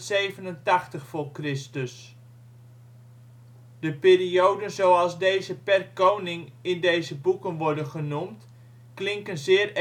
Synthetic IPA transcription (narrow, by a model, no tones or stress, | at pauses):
tsejvənəntɑχtəχfʊːrkrɪstəs | d̥əpɪːriowdənzowɑlˠzdejzəpɛrkownɪŋɪndejzəbukənʋɔɹdənχənumt | klɪŋkənzɪːr